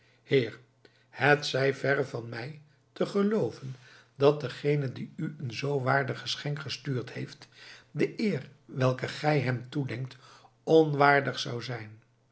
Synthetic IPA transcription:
hɪːɹ | hətsɛjvɛrəvɑnmɛj | təχəlowvən | dɑt̚dəχejnəndiyənzowʋaːɹdəχəsχɛŋkχəstyːɹthejftdəʔɪːrʋɛlˠkəχɛjɦɛmtudɛŋk̚t | ɔnʋaːɹdəχsɑwzɛjn

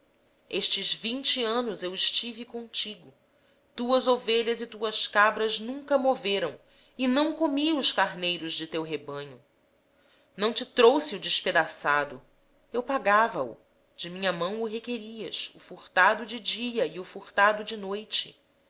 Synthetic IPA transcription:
eʃt͡ʃɪzvĩɲt͡ʃiɐ̃nʊzewɪʃt͡ʃivɪkõt͡ʃiɡʊ | t̪uɐzoveʎɐzit̪uɐskabɾɐznũŋkɐmoveɾɐ̃w̃ | ɪnɐ̃w̃komiʊskaɾnejɾʊzd͡ʒɪt̪ewɦebɐ̃ɲʊ | nɐ̃w̃t͡ʃɪt̪ɾowsɪʊd͡ʒɪʃped̪asad̪ʊ | ewpaɡavɐʊ̰ | d͡ʒɪmĩɲɐmɐ̃w̃ʊɦekeɾiɐsʊfuɾt̪ad̪ʊd͡ʒɪd͡ʒiɐiʊfuɾt̪ad̪ʊd͡ʒɪnojt͡ʃɪ̰

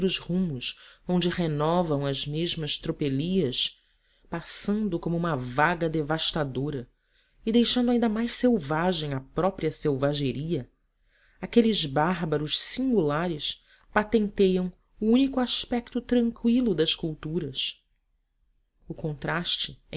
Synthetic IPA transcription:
ɾʊzhũmʊsõnd͡ʒɪhenɔvɐ̃w̃ɐzmeʒmɐst̪ɾopeliɐs | pasɐ̃nd̪ʊkõmʊũmɐvaɡɐd̪evaʃt̪ad̪oɾɐ | ɪd̪ejʃɐ̃nd̪ʊaĩnd̪ɐmajʃsewvaʒẽj̃ɐpɾɔpɾiɐsewvaʒeɾiɐ | akelɪzbaɦbɐɾʊʃsĩŋɡulaɾɪs | pat̪ẽnt̪ejɐ̃w̃ | uũnikʊaʃpɛk̚t̪ʊt̪ɾɐ̃ŋkwilʊd̪ɐʃkuwt̪uɾɐs | ʊkõnt̪ɾaʃt͡ʃɪ

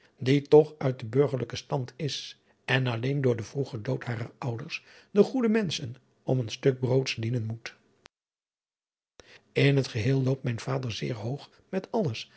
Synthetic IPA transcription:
ditɔχœɥt̚dəbøɹχəɹləkəstɑntʰɪs | ɛnɑlejndʊːɹdəvruχədowtɦaːʁəɹʌwdəɹs | dəχudəmɛnsən | ɔmənstɵk̚browtsdinənmut | ɪnɦətχəɦɪːlˠlowp̚t̚mɛjnv̥aːdəɹzɪːɹɦowχ | mɛtɑləs

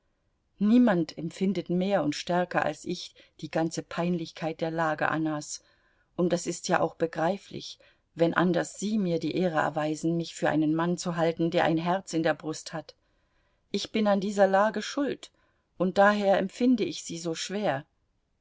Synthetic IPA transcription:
niːmantʰɛmpfɪndətmeːɐʊntʃtɛɐkɐʔa̰lsɪç | d̥iːɡant͡səpʰaɪnlɪçkʰaɪt̚d̥eːɐlaːɡə̰ʔa̰nas | ʔʊnt̚d̥asɪstjaːʔaʊxb̥əɡʁaɪflɪ̰ç | vɛnʔa̰ndɐsz̥iːmiːɐdiːʔeːʁəʔɛ̰ɐvaɪzn̩mɪçfyːɐʔa̰ɪnənmant͡suɦaltn̩deːɐʔa̰ɪnɦɛɐt͡sɪndeːɐbʁʊsthat | ʔɪçb̥ɪnandiːzɐlaːɡəʃʊlt | ʔʊnt̚d̥aːɦeːɐɛmpfɪndəɪçz̥iːzoːʃv̥eːɐ

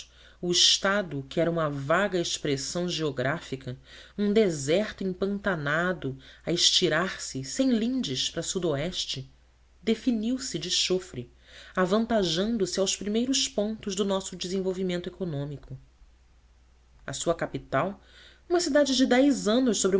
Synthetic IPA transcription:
ʊɪʃt̪ad̪ʊkɪɛɾɐũmɐvaɡɐeʃpɾesɐ̃w̃ʒeoɡɾafikʰɐũd̪ezɛχt̪ʊẽŋpɐ̃nt̪anad̪ʊɐɪʃt͡ʃiɾaɾsɪsẽj̃lĩnd͡ʒɪʃpɾɐsud̪oɛʃt͡ʃɪ | d̪efiniwsɪd͡ʒɪʃofɾɪ | avɐ̃nt̪aʒɐ̃nd̪ʊsɪawspɾimejɾʊʃpõnt̪ʊʒd̪ʊnɔsʊd͡ʒɪzẽvowvimẽnt̪ʊekonõmikʰʊ | ɐsuɐkapit̪aw | ũmɐsid̪ad͡ʒɪd͡ʒɪd̪ɛjzɐ̃nʊʃsobɾ

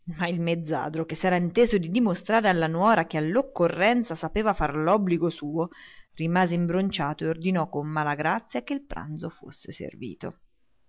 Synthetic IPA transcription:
mailmed̪zːa̰ːd̪ɾok̟esːɛːɾaint̪eːzod̪id̪imost̪ɾaːɾealːanwɔːɾakealːokːorːɛnt̪sasapeːvafarlɔbːliɡosuːorimaːzeimbɾont͡ʃaːt̪oeord̪inɔkːomːalaɡɾat̪sːjakeilpɾa̰nt̪zofo̰sːḛsḛrvḭːt̪o̰

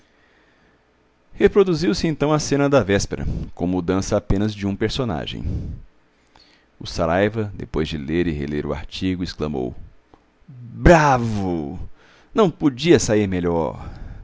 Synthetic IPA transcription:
hepɾod̪uziwsɪẽnt̪ɐ̃w̃ɐsẽnɐd̪ɐvɛspeɾɐ̰kõmud̪ɐ̃sɐːpẽnɐzd͡ʒɪũpeɾsona̰ʒḛ̃j̃ | ʊsaɾajvɐd̪epojzd͡ʒɪleɾɪhḛleɾʊa̰ɾt͡ʃiɡʊɪsklɐ̃mo̰w | bɾavʊ | nɐ̃w̃pod͡ʒiɐsaiɾmeʎɔ̰ɾ

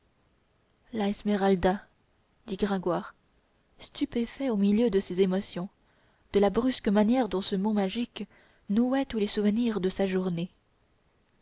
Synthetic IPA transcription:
laɛsmeʁald̪a | d̪̥iɡʁɛ̃ɡwaːʁ | st̪ypefɛomiljød̪əsezemɔsjɔ̃ | d̪̥əlabʁyskəmanjɛʁd̪ɔ̃səmɔ̃maʒik | nuɛt̪ulesuvəniʁd̪əsaʒuʁne

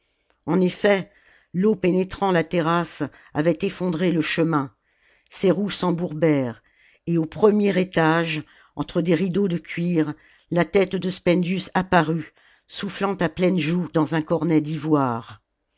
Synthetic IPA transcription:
ɑ̃nefɛ | lopenet̪χɑ̃lat̪eʁas | a̰vɛt̪efɔ̃d̪ʁeləʃəmɛ̃ | seʁusɑ̃buʁbɛːʁ | eopχəmjɛʁet̪aʒ | ɑ̃t̪χəd̪eʁid̪od̪əkʲɥiʁ | lat̪ɛt̪d̪əspɛ̃nd̪jysapaʁy | suflɑ̃t̪aplɛnʒud̪ɑ̃zɛ̃kɔʁnɛd̪ivwaːʁ

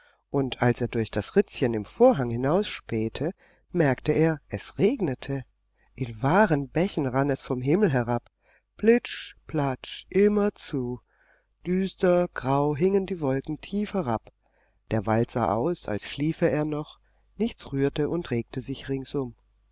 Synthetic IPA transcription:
ʔʊntʰalseːɐdʊɐçd̥asʁɪt͡sçənɪmfoːɐɦaŋhɪnaʊsʃpeːtʰə | mɛɐktəeːɐʔɛsʁeːɡnətʰə | ʔɪnvaːʁənbɛçn̩ʁanɛsfɔmɦɪml̩ɦɛʁap | plɪt͡ʃpl̥at͡ʃʔɪmɐt͡suː | d̥yːstɐɡ̥ʁaʊɦɪŋəndiːvɔlkŋ̩tʰiːfhɛʁap | d̥eːɐvaltz̥a̰ːʔa̰ʊsa̰lsʃliːfəeːɐnɔχ | nɪçt͡sʁyːɐtəʔʊntʁeːk̚təzɪçʁɪŋsʔʊm

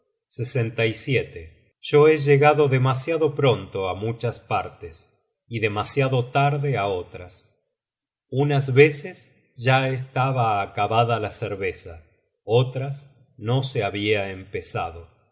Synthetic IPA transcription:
sesent̪ajsjet̪e | ʒ̥o̞eʒeɣaðo̞ðemasjaðo̞pɾont̪oamut͡ʃaspaɾt̪es | iðe̞masjaðo̞t̪aɾðeao̞t̪ɾas | unazβe̞ses | ʒ̥aes̬t̪aβaːkaβaðalaseɾβe̞sa | ot̪ɾas | no̞seaβiaempesa̰ð̞o̞

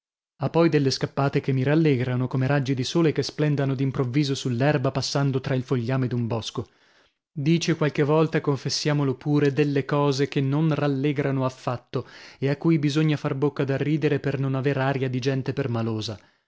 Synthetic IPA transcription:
apːɔjd̪elːeskapːaːt̪ekemːiɾalːeɡɾanokomeɾad͡ʒːid̪isoːlekesplɛnd̪anod̪impɾovːiːzosulːɛrbapasːand̪ot̪ɾailfoʎːaːmed̪umbɔsko | d̪iːt͡ʃekwalkevːɔlt̪akoɱfesːjaːmolopuːɾed̪elːekɔːzek̟enːonralːeɡɾanoafːat̪ːoeakːujbizoɲːafarbokːad̪arːiːd̪eɾepernonaveːɾaːɾjad̪id͡ʒɛnt̪epermaloːza

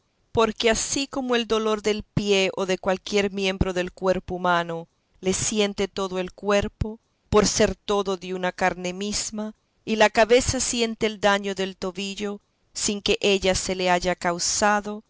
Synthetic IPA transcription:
po̞ɾke̞asiko̞moe̞ld̪o̞lo̞ɾðe̞lpje̞ʔoðe̞kwalkje̞ɾmjẽ̞mbɾo̞ðe̞lkwe̞ɾpoumano̞ | le̞sje̞nt̪e̞t̪o̞ðoe̞lkwe̞ɾpo | po̞ɾse̞ɾt̪o̞ðo̞ðeunakaɾne̞misma | ilakaβe̞sasje̞nt̪eːld̪aɲoðe̞lt̪o̞βiʎo̞ | siŋke̞ʔe̞ʎase̞leaʝakawsaðo̞

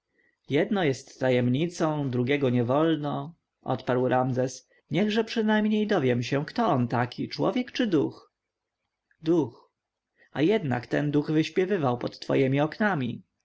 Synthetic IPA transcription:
jɛd̪nɔjɛst̪ːajɛmɲit̪sɔ̃w̃d̪ɾuɡʲɛɡɔɲɛvɔlnɔ | ʔɔ̰t̪paɾwɾʔamzɛs | ɲɛɣʐɛpʂɘnajmɲejd̪ɔvjɛmɕɛkt̪ɔɔnt̪akʲʰit͡ʂwɔ̰vʲjɛkt͡ʂɘd̪ux | d̪ux | ajɛd̪na̰kt̪ɛnd̪uɣvɘɕpʲjɛvɘvawpɔt̪ːfɔ̰jɛmʲiɔknamʲi

